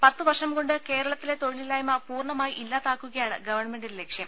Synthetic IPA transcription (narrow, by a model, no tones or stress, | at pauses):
pɐt̪ːɨʋɐrʂɐmko̞ɳɖɨke̞ːɾɐɭɐt̪ːile̞t̪o̞ɻililaːjmɐpuːrɳɐmaːjiʔilːaːt̪aːkːuɣɐjaːɳɨ̰ɡɐʋɐrɳɐme̞ɳɖillekʂjɐm